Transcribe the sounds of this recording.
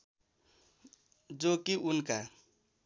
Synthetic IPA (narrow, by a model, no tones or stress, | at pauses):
d͡ʒokiʔʊnka